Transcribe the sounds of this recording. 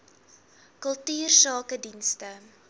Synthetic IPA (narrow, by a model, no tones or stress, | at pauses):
kəlˠtyːrsɑːkədinstə